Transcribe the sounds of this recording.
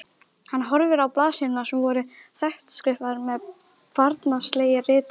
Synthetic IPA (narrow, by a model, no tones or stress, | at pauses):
hanːɦɔɾvɪɾawplaːðsinʏnasɛmvɔɾʏθɛht̪skɾɪhvaðɾmɛð | paɾt̪nast̪leːjɪrɪːt̪ʏ